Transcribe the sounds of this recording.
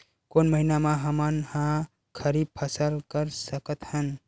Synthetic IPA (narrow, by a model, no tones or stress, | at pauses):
konməɦinamaɦəmənhã | kʰəɾib̚pʰəsəlkəɾsəkət̪hən